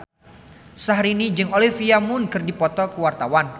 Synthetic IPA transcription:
saɦɾinid͡ʒɨŋolifiamʊnkərdipɔt̪ɔkəwart̪awan

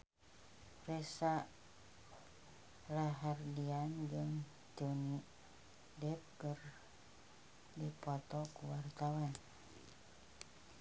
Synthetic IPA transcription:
resa | laɦardiand͡ʒɨŋ | t̪uni | dɛp̚kɨr | dipɔt̪ɔkuwart̪awan

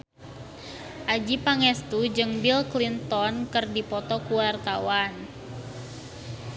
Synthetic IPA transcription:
ʔad͡ʒipaŋɛst̪ud͡ʒɨŋbilklint̪ɔnkɨrdipɔt̪ɔkuwart̪awan

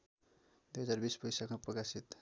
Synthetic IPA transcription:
d̪ujɦʌd͡zarbisbʌjsakmaprʌkasit̪

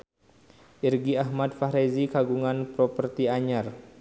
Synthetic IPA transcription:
ʔirɡiahmad̪̚faɾezikaɡuŋanpɾɔpərt̪iaɲar

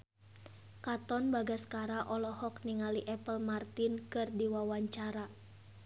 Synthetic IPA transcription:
kat̪ɔnbaɡaskaɾaʔɔlɔhɔkniŋaliʔɛpəlmart̪inkɨrdiwawaɲt͡ʃaɾa

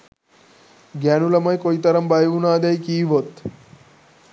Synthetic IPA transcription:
ɡanulɐmajkojt̪ɐɾəmbajʋunaːd̪ajkiːʋot̪

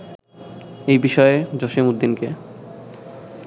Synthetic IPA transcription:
ejbiʃɔed͡ʑoʃemud̪ːinke

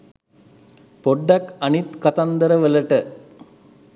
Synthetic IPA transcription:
poɖːɐkɐnit̪kɐt̪ɐnd̪ɐɾəʋəlɐʈə

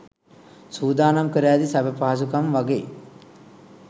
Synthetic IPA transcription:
suːd̪aːnɐmkəɾæːd̪isabəpaːs̬ukɐmʋaɡeː

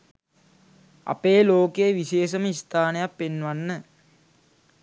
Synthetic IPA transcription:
a̰peːloːkeːʋiseːʃəməist̪ʰaːnəjapːenːʋanːə

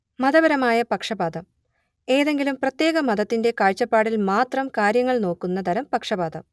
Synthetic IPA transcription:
mɐðɐbɐɾɐmaːjɐpɐkʂɐbaːd̪ɐm | e̞ːðe̞ŋɡilumprɐt̪je̞ːɣɐmɐðɐt̪ːinde̞kaːɻt͡ɕːɐpːaːɽilmaːt̪rɐmkaːɾjɐŋːɐɭno̞ːkːunːɐd̪ʱɐɾɐmpɐkʂɐbaːd̪ɐm

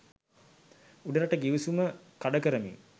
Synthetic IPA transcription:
uɖəɾaʈəɡiʋisuməkaɖəkəɾəmḭŋ

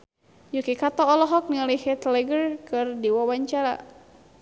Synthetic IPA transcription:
jukikat̪ɔːlɔɦɔk̚nilihɛt̪lɛɡərkɨrdiwawaɲt͡ʃaɾa̰

